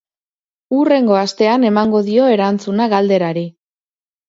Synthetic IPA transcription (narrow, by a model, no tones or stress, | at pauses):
ure̞ŋɡo̞ast̪e̞ane̞maŋɡo̞ðio̞e̞ɾant͡sunaɣald̪e̞ɾaɾi